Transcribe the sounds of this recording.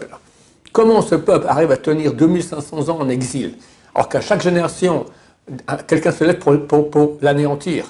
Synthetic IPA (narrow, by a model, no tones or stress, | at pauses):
l | kɔmɑ̃səpœpla̰ʁivat̪əniʁd̪ømilsɛ̃sɑ̃zɑ̃ɑ̃nɛɡzil | alɔ̰ʁkaʃakʒeneʁasjɔ̃ | kʲɛlkʲɛ̃səlɛt̪̚ppuʁpuʁlaneɑ̃t̪ʰiːʁ